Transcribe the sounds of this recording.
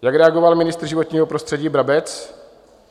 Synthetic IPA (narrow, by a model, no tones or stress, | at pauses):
jakɾɛaɡovalmɪnɪst̪r̩ʒɪvot̪ɲiːɦopɾost̪r̥ɛɟiːbɾabɛt͡s